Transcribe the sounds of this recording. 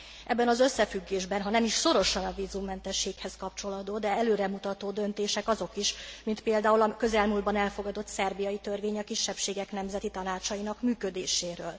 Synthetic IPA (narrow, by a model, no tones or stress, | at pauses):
ʔɛbːɛnɒzø̞sːɛfyɡːeːʒbɛnɦɒnɛmiʃso̞ɾo̞ʃɒnɒviːzumːɛnt̪ɛʃːeːkhɛskɒp̚t͡ʃo̞lɒd̪oːd̪ɛɛløːɾɛmut̪ɒt̪oːd̪ø̞nt̪eːʃɛkɒzo̞kiʃmint̪peːld̪aːulɒkø̞zɛlmuld̪bɒnɛlfo̞ɡɒd̪o̞t̪sɛrbijɒjit̪ø̞rveːɲɒkiʃːɛpʃeːɡɛkn̪ɛmzɛt̪it̪ɒnaːt͡ʃɒjinɒkmyːkø̞d̪eːʃeːɾøːl